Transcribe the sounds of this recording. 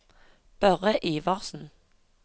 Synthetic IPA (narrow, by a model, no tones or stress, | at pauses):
b̥œʁəʔiːʋɑʁsn̩